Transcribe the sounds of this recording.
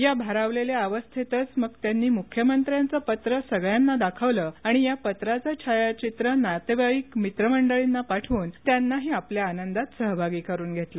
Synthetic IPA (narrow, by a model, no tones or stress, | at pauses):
jabʱaɾaʋleljaaʋəst̪ʰit̪ət͡sməɡt̪janːiːmukʰjəmənt̪ɾjant͡səpət̪ɾəsəɡɭjanːad̪akʰəʋləːaɽ̃ijapət̪ɾat͡sat͡ɕʰajat͡ɕit̪ɾənat̪eʋajikmit̪ɾəməɳɖəɭinːapaʈʰʋuːnt̪janːaɦiapljaːnənd̪at̪səɦbʱaɡiːkəɾuːnɡʱet̪lə